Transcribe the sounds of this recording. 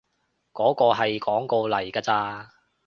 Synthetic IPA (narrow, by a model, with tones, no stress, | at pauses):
kɔː˨˥kɔː˧ɦɐ˨jkɔː˨˥ŋko˧wlɐ˨˩jkaː˧t͡saː˧